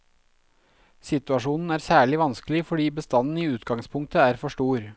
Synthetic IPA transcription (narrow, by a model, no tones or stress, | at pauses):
sɪt̪ʉɑʂuːnn̩æːɾsæːɭɪʋɑnskəlɪfɔɖiːbəst̪ɑnn̩iːʉːt̪ɡɑŋspʰʊŋk̚t̪əæːɾfɔʂʈuːɾ